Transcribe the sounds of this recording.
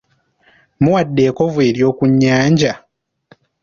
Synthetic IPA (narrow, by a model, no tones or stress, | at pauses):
muwadːeːkovweɾijokuɲːaːɲd͡ʒa